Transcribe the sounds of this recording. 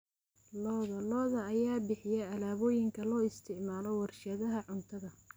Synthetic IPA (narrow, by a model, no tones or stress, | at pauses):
lɔːðɐlɔːðɐːjaːbɪħɪjɛɐlaːβɔːjɪŋkʰɐlɔːɪst̪ʰɪʕmaːlɔwɐrʃɐðɐɦɐʕʊnt̪ʰɐðɐ